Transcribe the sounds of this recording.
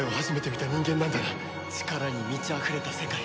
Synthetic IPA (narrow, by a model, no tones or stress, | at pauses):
eohaʑime̞t̪e̞mʲit̪aɲ̟ʲĩŋɡenːãnd̪ana | t͡ɕi̥kaɾaɲ̟imʲit͡ɕiaɸɯ̟ɾe̞t̪ase̞kai